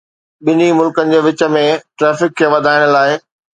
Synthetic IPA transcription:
ɓɪnimʊlkənɪ̆d͡ʑeːʋɪt͡ɕə̆mẽʈɾɛːfɪkʰːeːʋɐd̪ʱaːɪɽ̃ə̆laːɪ

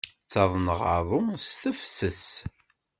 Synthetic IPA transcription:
t͡sːɑðˤnəʁəðˤʊst̪əfsəθ

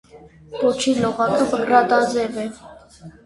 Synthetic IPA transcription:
kɔt͡ʃʰilɔʁɑkʰəpəkrɑt̪ɑzɛvɛ

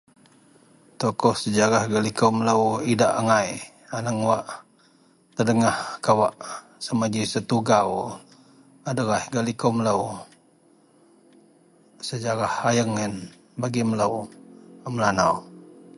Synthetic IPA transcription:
t̪okɔhsəd͡ʒaɾahɡalikomələwidaʔaŋaj | anəŋwaʔ | t̪ərdəŋahkawaʔ | səmad͡ʒisət̪uɡaw | adəɣahɡalikomələw | səd͡ʒaɾahajəŋːɛn | baɡimələwəməlanaw

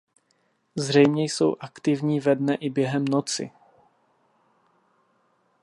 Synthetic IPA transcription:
zr̝ɛjmɲɛjso̞̰wʔakt̪ɪvɲiːvɛdnɛʔɪbjɛɦɛmnot͡sɪ̰

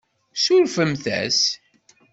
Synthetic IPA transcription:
sʊɾfəmθæ̰s

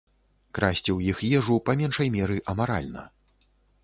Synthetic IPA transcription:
kɾasʲt͡sʲiwjixjɛʐupamʲɛnʂɐjmʲɛɾɨʔɐmaɾa̰lʲnɐ̰

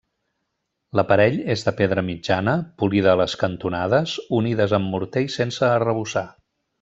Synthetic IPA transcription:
ləpəɾɛʎezðəpeðɾəmid͡ʒanəpulið̞əːləskənt̪unað̞əzuniðəzəmːuɾt̪ejsensəːrəβ̞usa

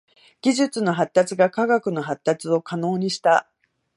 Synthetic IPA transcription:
ɡ̥ʲiʑɨt͡sɨno̞ɦat̪ːat͡sɨɡakaɡakɯ̟no̞ɦat̪ːat͡sɨo̞kano̞ːɲ̟iɕi̥t̪a

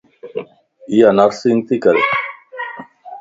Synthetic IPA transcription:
ijanaɾsiŋt̪ikəɾe

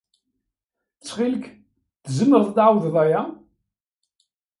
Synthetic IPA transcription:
t͡sːχilək | t̪zəmːəɾθd̪ʕawððˤæja

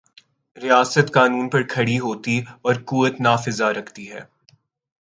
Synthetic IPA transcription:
ɾijaːsət̪kaːnuːnpɐɾkʰɐɽiɦoːt̪iɔːɾkuːʋət̪naːfɪzaɾɐkʰt̪iɦɛ̰ː

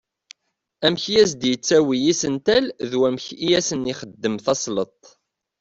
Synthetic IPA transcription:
æmçjæsd̪jət͡sːæwijisənt̪ælðwæmçijæsəniχəd̪ːəmθɑsˤlət̪ˤ

